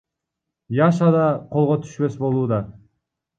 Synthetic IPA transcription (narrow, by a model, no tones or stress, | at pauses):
jɑʃɑd̪ɑqʰo̞lˠʁot̪ʰy̥ʃpø̞sbo̞lˠuːd̪ɑ